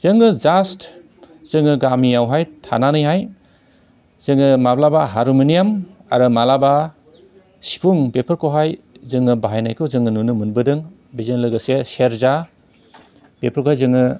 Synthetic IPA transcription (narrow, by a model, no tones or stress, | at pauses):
z̥ɯŋːɯzast | z̥ɯŋɯɡamiawɦajtʰa̰nanɯjɦaj | z̥ɯŋɯmablabaɦaɾumɯnijama̰ɾɯmalaba | si̥pʰuŋbepʰɯɾkʰowɦaj | zɯŋɯbaɦajnajkʰɯzɯŋɯnunɯmɯnbɯdɯŋ | bizenlɯɡɯseseɾza | bepʰɯɾkohajzɯŋɯ